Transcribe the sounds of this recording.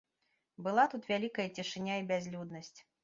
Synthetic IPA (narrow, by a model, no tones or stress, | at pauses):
bɨlˠat̪ut̪vʲalʲikɐjɐt͡sʲiʂɨnʲaibʲazʲlʲud̪nɐsʲt͡sʲ